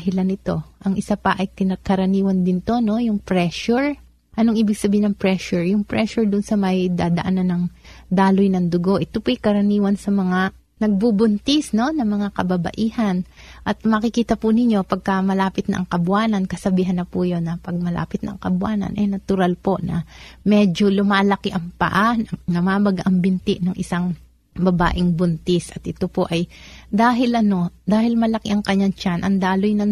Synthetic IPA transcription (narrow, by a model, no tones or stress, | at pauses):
hɪlanɪt̪o̞ʔɐŋʔɪsapɐʔɐjkɪnɐkɐɾɐniːwɐnd̪ɪnt̪o̞no̞jʊŋpɾɛʃʊɹ | ʔɐnoŋʔiːbɪɡsɐbiːhɪnɐŋpɹɛʃʊɹjʊŋpɹɛʃʊɹd̪ʊnsɐmɐjd̪aːd̪ɐ̰ʔananɐŋd̪aːlojnɐŋd̪ʊɡo̞ʔɪt̪opʊʔɐjkɐɾɐniːwɐnsɐmɐŋa | nɐɡ̚bubʊnt̪ɪsno̞nɐŋmɐŋakɐbɐbɐ̰ʔiːhɐn | ʔɐt̪mɐkɪkiːt̪ɐpʊnɪɲːo̞pɐɡ̚kɐmɐlaːpɪt̪̚nɐ̰ʔɐŋkɐbʊaːnɐnkɐsɐbiːɦɐnːɐpujo̞nːɐpɐɡ̚mɐla̰ːpɪt̪nɐʔɐŋkɐbʊaːnɐ̰nʔɛjnɐt̪ʊɾalpo̞ʔnɐ̰mɛd͡ʒo̞lʊmaːlɐkɪʔɐŋpɐ̰ʔanɐnɐmaːbɐɡaʔɐŋbɪnt̪ɪʔnɐŋʔɪsaŋ | bɐba̰ːʔɪŋbʊnt̪ɪsʔɐt̪ʔɪt̪o̞poʔɐjd̪aːɦɪlʔɐno̞d̪aːhɪlmɐlɐkɪʔɐŋkɐɲːaŋt͡ʃanʔɐnd̪aːlojnɐ